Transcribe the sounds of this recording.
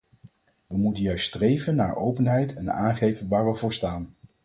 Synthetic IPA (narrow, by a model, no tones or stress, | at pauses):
ʋəmutənjœɥststrejvənːa̰ːɹowpənɦɛjtɛna̰ːnχejvənʋaːɹʋəvʊːɹstaːn